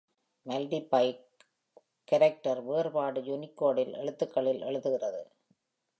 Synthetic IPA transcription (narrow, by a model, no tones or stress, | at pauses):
mɐlɖipɐɪ | kːɐɾɛk̚ʈɐɾʋeːɾbaːɽɯjʊnɪkːoːɽɪlʔɛ̰ɭɯt̪ːɯkːɐɭɪlʔɛ̰ɭɯðɯɣɪrɐðɯ̰